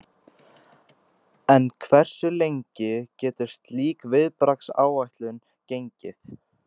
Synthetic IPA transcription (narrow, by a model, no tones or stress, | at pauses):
ɛnkʰvɛr̥sʏlejɲcɪcɛːt̪ɪ̥st̪liːkvɪðpɾaksa̰ːwajht̪lʏn | cejɲcɪθ